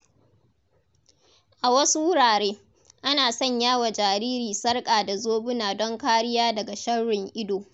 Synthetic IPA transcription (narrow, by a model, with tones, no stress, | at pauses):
ʔa˨wɐ˦su˦wʊ˦ɽaː˨ɽeː˦ | ʔa˦naː˨sɔ˦˨ɲjaː˦wa˨d͡ʒaː˨ɾiː˦ɾiː˨sɐ˦rkʼaː˨da˨zoː˦bʊ˦naː˨dɔ˦ŋkaː˦ɽɪ˦jaː˦dɐ˨ɡa˨ʃɐ˦ɽːɪ˨ŋʔɪ˦doː˨